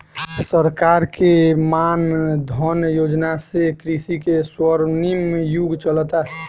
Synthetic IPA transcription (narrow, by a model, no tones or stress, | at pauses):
səɾkaɾkemand̪ʱɔnjod͡ʒnasekɾisikeswəɾnimjuɡt͡ʃəlt̪a